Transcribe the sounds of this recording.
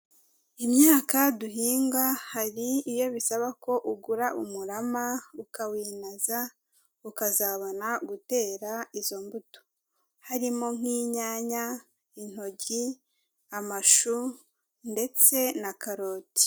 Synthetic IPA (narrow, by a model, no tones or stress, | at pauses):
imɲaːkaduɦiːŋɡahaɾiːjo̞βisaβako̞ʔuɡuɾaʔumuɾamaukawiːnaza | ukazaːβonaɡute̞ːɾaizo̞mbuto̥ | haɾimo̞ŋ̥iːɲaːɲa | in̥o̞ɟi | amaʃu | nde̞t͡se̞nakaɾo̞ːti̥